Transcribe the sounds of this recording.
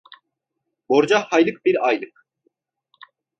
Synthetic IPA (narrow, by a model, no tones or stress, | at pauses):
bɔɾd͡ʒahajlɨk̚ʰbiɾajlɨk̚ʰ